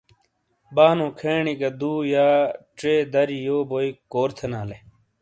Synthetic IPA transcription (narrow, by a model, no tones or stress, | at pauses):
baːnõːkʰeːɳiɡɐd̪uːjaːʈ͡ʂeːd̪ɐɾijoːboːikoːɾt̪ʰenaːle